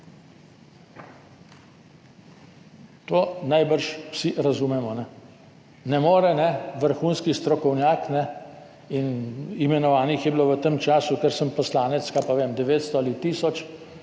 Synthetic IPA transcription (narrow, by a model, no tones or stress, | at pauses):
t̪oːnajbəɾʃwsiʔɾazuːmɛmɔnɛ | nɛmoːɾɛnɛʋəɾxuːnskist̪ɾɔkɔwnjaːknɛ | inimɛnɔʋaːnixjɛbiloʋət̪əmt͡ʃaːsukɛɾsəmpɔslaːnɛt̪skapaʋeːmd̪ɛʋeːt̪st̪ɔalit̪iːsɔt͡ʃ